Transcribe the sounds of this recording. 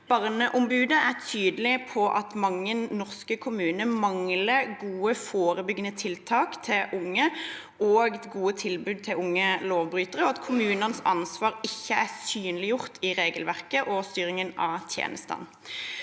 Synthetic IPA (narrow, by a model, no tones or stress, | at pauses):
b̥ɑʁnəʔʊmbʉːd̪əæt̪ʰyːd̪lɪpʰɔʔɑt̪mɑŋːənnɔʁskəkʰʊmʉːnəmɑŋləɡuːəfoːɾəbʏɡənət̪ʰɪlt̪ʰɑːkt̪ʰɪlʔʊŋːə | oːɡɡuːət̪ʰɪlbʉːd̪̚t̪ʰɪlʊŋːəloːʋbɾyːt̪əʁəɔɑt̪kʰʊmʉːnənsɑ̰nsʋɑːʁɪçːəæsyːnlɪjʊʁt̪ʰɪʁeːɡəlʋæʁkəʔɔst̪yːɾɪŋənɑ̰t̪ʰjḛːnʔəst̪ɑ̰n